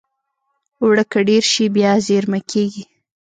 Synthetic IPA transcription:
wɽəkəɖeɾʃibjɑzeɾmakʰeɡi

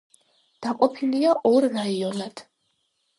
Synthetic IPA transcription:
d̪̥aqʼɔpʰiliaʔɔɾːaiɔnad̪̥

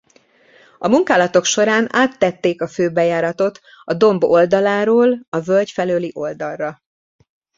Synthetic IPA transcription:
ɒmuŋkaːlɒt̪o̞kʃo̞ɾaːnaːt̪ːɛt̪ːeːkɒføːbɛjaːɾɒt̪o̞t̪ | ɒd̪o̞mbo̞ld̪ɒlaːɾoːlɒvølcfɛløːliʔo̞ld̪ɒlrɒ

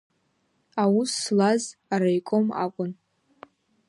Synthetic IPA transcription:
awusːlazaɾajkʷʼoma̰kʷʼʊn

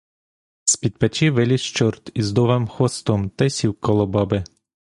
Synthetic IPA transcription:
sʲpʲid̪̚pɛt͡ʃiʋɪlʲiʃt͡ʃɔrt̪izd̪ɔʋemxɔst̪ɔmt̪ɛsʲiwkɔlˠɔbɑbɪ

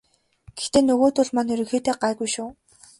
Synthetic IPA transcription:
ɡ̥ext̪eːnɵɣoːt̪ʊɮmanɵɾɵ̆xeːt̪eːɢaːɣujʃuː

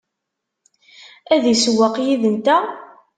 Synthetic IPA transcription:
æðiswəqjiðənt̪æ

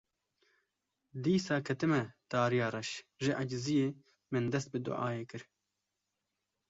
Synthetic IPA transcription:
d̪iːsɑːkʰɐt̪ɨmɛt̪ɑːɾijɑːɾɛʃʒɪʔɐd͡ʒzijeː | mɨnd̪ɛst̪̚bɨd̪ʊ̰ʔɑːjeːkɨɾ

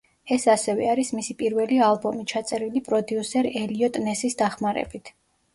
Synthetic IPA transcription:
ɛsasɛvɛ̰aɾismisipʼiɾvɛlialˠbɔmit͡ʃʰat̪sʼɛɾilipʼɾɔd̪iusɛɾɛliɔt̪ʼnɛsisd̪aχmaɾɛ̰b̥it̪ʰ

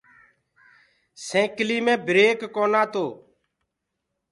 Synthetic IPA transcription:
sẽːkliːmẽːbɾeːkːoːnãːt̪oː

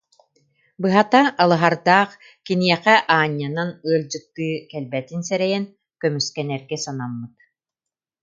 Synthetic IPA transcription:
bɯɦat̪aʔːlˠɯɦaɾd̪aːχ | kinijɛqɛʔaːɲːananɯɐld͡ʑɯk̚t̪ːɯːkɛlbɛt̪insɛɾɛjɛn | kœmyskɛnɛɾɡɛsanamːɯt̪

